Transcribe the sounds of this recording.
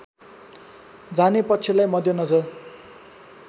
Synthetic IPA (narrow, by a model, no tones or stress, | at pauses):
d͡zanepʌkt͡sʰilajmʌd̪ʱjʌnʌd͡zʌr